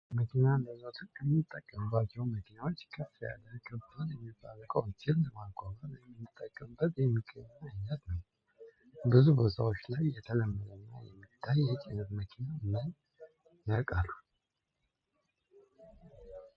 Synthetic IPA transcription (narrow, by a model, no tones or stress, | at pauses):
məkʰinand̪əzo̞t̪ʰɨnkʰəmːit̪ʼːəkʼːəmbːat͡ʃːɛwməkʰinawo̞t͡ʃːkʰɨfja̰ləkʰəbaljɛmːifa̰ɾəkʼəwnt͡ʃilləmaɡʷaβəmjɛmɨnːɨt̪ʼːəkʼːəmbːət̪jɛmːiɡəɲːaɨɲːət̪nəw | bɨzubot̪ʰawo̞t͡ʃːlajːɛt̪ʰələmːəd̪ənːa̰jɛ̰mːit̪ʰːajːɛt͡ʃʼenɨt̪məkʰinaɨnən | nəɾkʼalːu